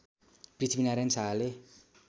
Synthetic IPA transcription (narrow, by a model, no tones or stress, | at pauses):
prit̪ʰminaɾensale